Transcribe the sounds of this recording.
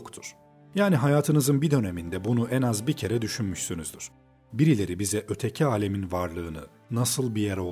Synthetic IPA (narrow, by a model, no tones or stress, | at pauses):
kt̪ʰuɾ̥ | jaːniɦajaːt̪ʰɯnɯzɯnbid̪ø̞nemind̪ɛbunuʔɛnazbicʰe̞ɾɛd̪yʃynmyʃsynyzd̪yɾ̥ | biɾilʲe̞ɾibizɛʔø̞t̪ʰe̞cʰiaːlʲe̞minvaɾlˠɯːnɯ̰ | nasɯlˠbijɛɾo̞